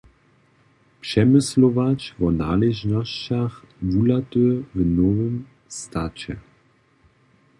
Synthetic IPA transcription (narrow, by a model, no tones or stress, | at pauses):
pʂɛmɪslovat͡ɕvɔnaːlɛʒnɔɕt͡ɕax | vulat̪øvnɔvəm | st̪at͡ɕɛ̰